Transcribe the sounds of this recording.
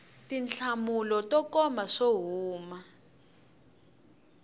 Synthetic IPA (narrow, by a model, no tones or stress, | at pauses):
tinɬamulɔtɔkɔmaʂoɦuːma